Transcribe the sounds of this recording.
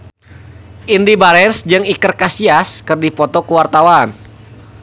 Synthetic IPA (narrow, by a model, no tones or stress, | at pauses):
ʔindibaɾɛnsd͡ʒɨŋikərkasiaskɨrdipɔt̪ɔkuwart̪awan